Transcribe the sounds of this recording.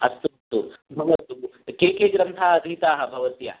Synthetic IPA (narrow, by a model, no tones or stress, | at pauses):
ɐst̪ut̪ubʱɐɡɐt̪uukekeɡɾɐnt̪ʰaɐd̪ʱit̪aːɦɐbʱɐʋɐt̪ja̰